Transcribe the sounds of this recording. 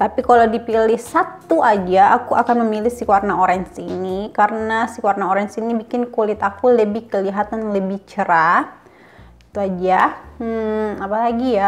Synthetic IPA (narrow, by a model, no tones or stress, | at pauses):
t̪apikaladipilɪhsat̪ːuʔad͡ʒaʔːkuakanməmilɪhsikwarnaoɾaŋsinikaɾənasikuwarnaoɾɛnsinibikɪnkolɪt̪akuləbɪhkəliɦat̪anləbɪht͡ʃəɾa | t̪uad͡ʒa | apalaɡija